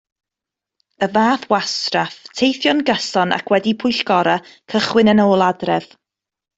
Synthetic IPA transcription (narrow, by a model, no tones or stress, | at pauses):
əvaːθwastraftʰejθjɔnɡəsɔna̰kʰwɛdipʰʊjɬɡ̥ɔɾakʰəχwɪnənoːlˠadrɛv̥